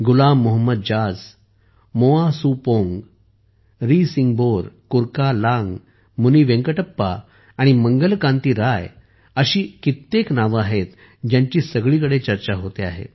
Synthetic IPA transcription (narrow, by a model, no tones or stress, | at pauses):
ɡulamːoɦəmːəd̪̚d͡ʑad͡z | moasupoŋɡ | ɾisiŋɡboɾkuɾkalãŋɡ | muniʋẽŋkəʈəpːa̰ː | ɽ̃iməŋɡəlkãnt̪iːɾaj | əɕiːkit̪ːeknaʋaɦet̪ | d͡ʑjãɲt͡ɕiːsəɡɭiːk̬əɽet͡ɕəɾt͡ɕaɦot̪ea̰ɦḛt̪